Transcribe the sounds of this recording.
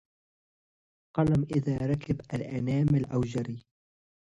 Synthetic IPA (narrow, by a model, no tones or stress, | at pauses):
qɑlamʔɪðaːɾˤɑkɪbʔalʔanaːmalʔawd͡ʒaɾiː